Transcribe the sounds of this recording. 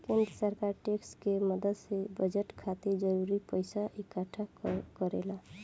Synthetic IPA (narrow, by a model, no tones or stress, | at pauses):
kinsəɾkaɾʈekskeməd̪əd̪sebəd͡ʒəʈkʰat̪iɾd͡ʒəɾuɾipəjsaʔikəʈʰakəɾela